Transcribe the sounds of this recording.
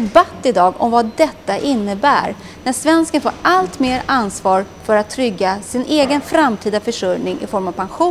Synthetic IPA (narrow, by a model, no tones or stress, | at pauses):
bat̪ːɪd̪ɑːɡɔ̰mvad̪ɛt̪ːaʔɪnːəbæ̰ːɾ | næʂvɛnskənfo̰ːɾalt̪meːɾansvɑːɾfœɾat̪ʰːɾʏɡːasɪnʔeːɡənfɾamt̪ʰiːd̪afœʂɵɾnɪŋʔɪ̰fɔɾmavpʰanɧu